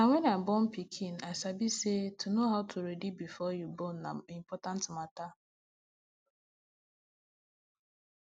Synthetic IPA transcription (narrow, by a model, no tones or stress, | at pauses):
nawɛnaɪbɔn̩pikʰĩnaɪsabisetʰunoɦaʊtʰuɾedibifɔjubonːa̰im̩pɔtãntmata